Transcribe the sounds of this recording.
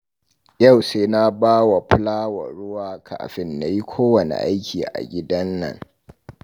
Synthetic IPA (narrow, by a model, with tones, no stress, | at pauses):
ja˦˨wseː˦na˦baː˦wa˨ɸʊ˦laː˦wa̰˨ɽʊ˦waː˨kʰa̰˨ʔa̰˨ɸɪ˦nːa˨ji˦kʷʰoː˦wɐ˨nḛ˨ʔa˦jkʲʰiː˨ʔa̰˨ɡʲɪ˦dɐ˦nːɐ̰˦˨ŋ